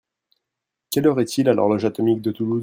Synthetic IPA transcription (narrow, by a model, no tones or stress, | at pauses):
kʲɛlɔʁɛt̪ʰilalɔ̰ʁlɔʒat̪ɔmik̚d̪ət̪ulu